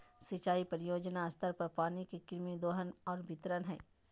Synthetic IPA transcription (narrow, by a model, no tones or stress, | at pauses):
sit͡ʃaːipəɾɪjoːd͡ʒnaɐst̪əɾpɐɾpaːnikekɪɾmid̪oːɦənɔːɾbʱɪt̪ɾənɦɛ̰ː